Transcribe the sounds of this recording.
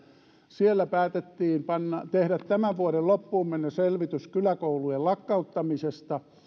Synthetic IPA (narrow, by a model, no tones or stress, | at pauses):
sielːæpæːt̪et̪ːiːmpɑnːɑt̪ehɾæt̪t̪æmæʋʋuoɾellopːuːmmenːeselʋit̪yskylækoulujellɑkːɑut̪ːɑmisest̪ɑ